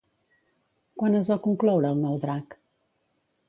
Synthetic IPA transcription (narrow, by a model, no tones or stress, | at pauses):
kwanəzβakuŋklɔwɾəːlˠnɔwd̪ɾak